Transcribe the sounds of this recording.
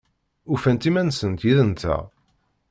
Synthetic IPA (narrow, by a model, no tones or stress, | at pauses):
ufænt̪imænsənt̪jiðənt̪æ̰